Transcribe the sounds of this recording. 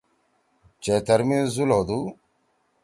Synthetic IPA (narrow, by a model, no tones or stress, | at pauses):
t͡ɕet̪ɐɾmẽzulɦod̪u